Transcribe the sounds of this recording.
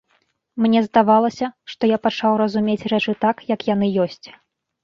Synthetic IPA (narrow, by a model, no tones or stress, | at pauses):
mnʲɛzd̪avalˠɐsʲɐʂt̪ɔjapat͡ʂawrɐzumʲet͡sʲrɛt͡ʂɨt̪akjɐkjan̪ɨjɔsʲt͡sʲ